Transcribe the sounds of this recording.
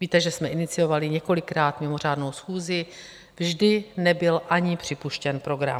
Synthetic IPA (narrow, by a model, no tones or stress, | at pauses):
viːt̪ɛʒɛsmɛʔɪnɪt͡sɪjo̞valɪɲɛko̞lɪkɾaːt̪mɪmo̞r̝aːdno̞wsxuːzɪ | vʒdɪnɛbɪlʔaɲɪpr̥ɪpuʃcɛnpɾo̞ɡɾa̰m